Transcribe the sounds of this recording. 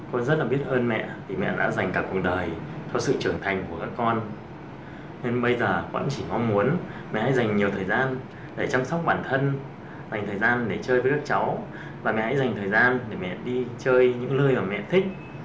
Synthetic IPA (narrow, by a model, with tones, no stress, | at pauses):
kɔ˧nzə˦˥t̚laː˨˩ɓi˦˥ət̚ʔəː˧nmɛ̰˧˨t̪ʰi˨˩mɛ̰˧˨ɗa̰ː˧˥za˨˩jŋ̟kaː˧˩ku˨˩ək̚ɗəː˨˩jt̪ʰɔ˧sɨ̰˧˨t͡ɕɨ˧˩əŋt̪ʰa˨˩jŋ̟ku˧˩əkaː˦˥kːɔ˧n | ne˧nɓə˧jzəː˨˩və̰˧˥nt͡ɕi˧˩mɔ˧mmu˨˦ən | mɛ̰˧˨ha̰˧˥jza˨˩jŋ̟ɲi˨˩əwt̪ʰəː˨˩jzaː˧n | ɗe˧˩t͡ɕa˧msa˦˥wk͡p̚ɓaː˧˩nt̪ʰə˧n | za˨˩jŋt̪ʰəː˨˩jzaː˧nɗe˧˩t͡ɕəː˧jvəː˨˦kaː˦˥k̚t͡ɕa˨˦w | vaː˨˩mɛ̰˨ha̰˧˥jza˨˩jŋ̟t̪ʰəː˨˩jzaː˧nɗe˧˩mɛ̰˧˨ɗi˧t͡ɕəː˧jɲɨ̰˧˥ŋlɨ˧əjʔəː˧˩mɛ̰˧˨t̪ʰï˦˥k̚